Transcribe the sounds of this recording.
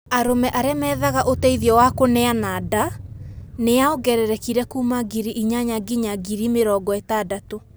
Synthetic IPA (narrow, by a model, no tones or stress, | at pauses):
aɾomɛʔaɾeamɛːðaɣaʔotɛiðiɔwakonɛanaːda | neaoɡɛɾɛɾɛkiɾɛkuːmaɡiɾiʔiɲaɲaɡiɲaɡiɾimeɾɔːɡɔɛtadato